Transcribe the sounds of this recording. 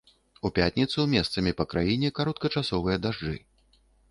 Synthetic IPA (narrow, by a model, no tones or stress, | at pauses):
upʲat̪ʲnʲit̪sumʲɛst̪sɐmʲipɐkɾajinʲɛkaɾɔt̪̚kɐt͡ʂasɔvɨjɐd̪aʐd͡ʐɨ̰